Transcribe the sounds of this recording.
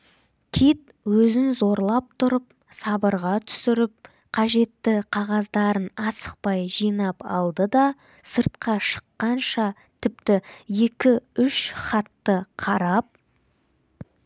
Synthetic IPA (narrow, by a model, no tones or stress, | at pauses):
kʲʰet̪̚ | wɵzɪnzo̞ɾlˠɑp̚t̪ʰʊɾəp̚ | sɑbəɾʁɑt̪ʰʏ̥sɪɾɪp̚ | qʰɑʒe̞t̪ːɪqʰɑʁɑzd̪ɑɾənɑsə̥q̚pɑjʒijnɑpɑ̰lˠd̪əd̪ɑ | səɾt̪̚qɑʃə̥qːɑnʃɑ | t̪ʰɪp̚t̪ɪje̞kʲɪʏʃχɑt̪ːəqʰɑɾɑp̚